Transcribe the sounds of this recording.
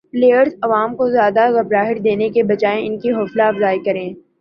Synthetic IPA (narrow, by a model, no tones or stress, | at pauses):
pleːjəɾzɐʋaːmkozjaːd̪aɣɐbɾaːɦɪɾd̪eːnekebɐt͡ʃaːẽɪnkiɦoːslaɐfzaːjkɐɾẽː